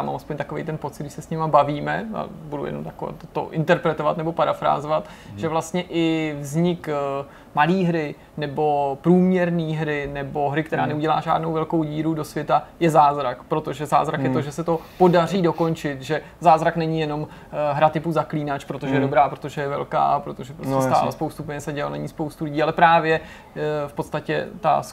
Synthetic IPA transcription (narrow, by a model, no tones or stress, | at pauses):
amʔa̰lɛspoɲt̪akovɛ̰jt̪ɛnpot͡sɪt̪dɡdɪsɛsɲɛmabaviːmɛa̰budṵjɛ̰nomt̪ako̰t̪ot̪o̰ʔɪ̰nt̪ɛɾpɾɛt̪o̞vat̪nɛbo̞paɾafɾa̰ːzovat̪ | ʒ̥ɛvlast̪ɲɛʔɪvzɲɪk | maliːɦɾɪ | nɛbo̞pɾuːmɲɛɾniːɦɾɪnɛbo̞ɦɾɪkt̪ɛɾa̰ːnɛuɟɛla̰ːʒa̰ːdno̞wvɛlko̞wɟiːɾudo̞svjɛt̪ajɛzaːzɾakpɾo̞t̪o̞ʒɛza̰ːzɾakjɛt̪oʒɛsɛt̪o̞po̞dar̝iːdo̞ko̞nt͡ʃɪt̪ʒɛ | zaːzɾaknɛɲijɛno̞m | ɦɾat̪ɪpuzakliːnat͡ʃpɾo̞t̪oʒɛjɛdobɾaːpɾo̞t̪o̞ʒɛjɛvɛ̰lka̰ːpɾot̪oʒɛpɾosɛst̪a̰ːlɛ̰spowst̪upɛɲɛsɛɟɛlalna̰ɲiːspowst̪ulɪɟiːalɛpɾaːvjɛ | fpo̞t̪st̪acɛ̰t̪a̰s